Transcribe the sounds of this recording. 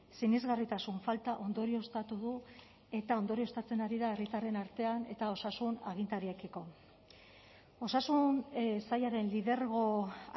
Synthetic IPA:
sinizɣarit̪asuɱfalt̪aʔo̞nd̪o̞ɾio̞st̪at̪uðu | e̞t̪ao̞nd̪o̞ɾio̞st̪at͡se̞naɾiðae̞rit̪are̞naɾt̪e̞ane̞̰t̪ao̞sasunaɣ̞int̪aɾiekiko̞ | o̞sasunsajaɾe̞nliðe̞ɾɣo̞

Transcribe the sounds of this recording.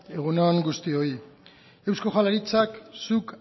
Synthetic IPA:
e̞ɣunoaŋɡust̪io̞i | e̞wsko̞ʝalaɾit͡saksuk

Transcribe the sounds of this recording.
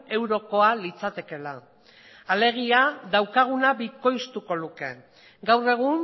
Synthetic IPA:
e̞wɾo̞ko̞alit͡sat̪e̞ke̞la | ale̞ɣ̞iaðawkaɣ̞unaβiko̞jst̪uko̞luke̞ | ɡawre̞ɣ̞un

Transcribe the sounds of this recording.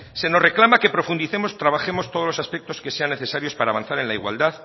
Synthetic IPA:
se̞no̞sreklamake̞pɾo̞fund̪iθe̞mo̞st̪ɾaβaxe̞mo̞st̪o̞ð̞olosaspe̞k̚t̪o̞ske̞se̞anːe̞θesaɾjo̞spaɾaːβanθaɾe̞nlaiɣwa̰ld̪að

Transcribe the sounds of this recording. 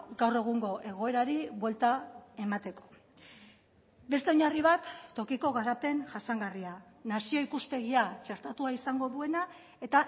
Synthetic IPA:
ɡawre̞ɣ̞uŋɡo̞ʔe̞ɣ̞o̞e̞ɾaɾiβwe̞lt̪ae̞mat̪e̞ko̞̥ | be̞st̪e̞o̞ɲariβ̞at̪ːo̞kiko̞ɣaɾape̞nʝasaŋɡaria | nasio̞ikuspe̞ɣiat͡ʃe̞ɾt̪at̪uaisaŋɡo̞ðue̞na | e̞t̪a

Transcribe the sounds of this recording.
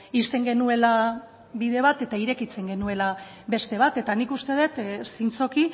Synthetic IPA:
ist̪e̞ŋɡe̞nue̞la | βiðe̞β̞at̪e̞t̪aiɾe̞kit͡se̞ŋɡe̞nue̞la | βe̞st̪e̞β̞at̪e̞t̪anikust̪e̞ð̞e̞t̪sint͡so̞ki

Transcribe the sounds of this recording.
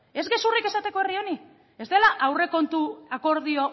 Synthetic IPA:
e̞zɣe̞surike̞sat̪e̞ko̞erio̞ni | e̞zd̪e̞laʔawre̞ko̞nt̪uako̞ɾðio̞

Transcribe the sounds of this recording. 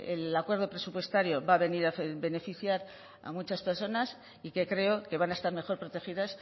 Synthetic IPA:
ḛlakwe̞ɾð̞o̞pɾe̞supwest̪aɾjo̞βaβe̞niɾafbe̞ne̞fiθjaɾ | a̰mut͡ʃaspe̞ɾso̞nas | ike̞kɾe̞oke̞βanaest̪aɾme̞xo̞ɾpɾo̞t̪e̞xiðas

